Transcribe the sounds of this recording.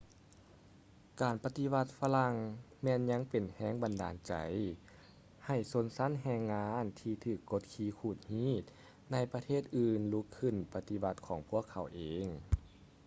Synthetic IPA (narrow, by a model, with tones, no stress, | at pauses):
kaː˨˩npa˧t̪i˧˥ʋa˧t̪̚fa˧la˧ŋ | mɛː˧nɲa˧˥ŋpe˨˩nhɛː˧˥˨ŋba˨nda̰ː˨˦nt͡ɕa̰˨˧˦j | ha˨˩jso˧˥nsa˧˥˨nɦɛː˧ŋːaː˧˥nt̪ʰiː˧t̪ʰɯː˨˩kːo˧t̪̚kʰiː˧˥˦kʰuː˧˩t̪̚hiː˧˥˩t̪̚ | na˧˥jpa˧t̪ʰeː˥˩t̪̚ʔɯː˧nlu˧˥kʰːɯ˧˩npa˧t̪i˧ʋa˧t̪̚kʰɔː˨˩˦ŋpʰu˧˥˩əkʰːa˧˦wʔeː˨˦ŋ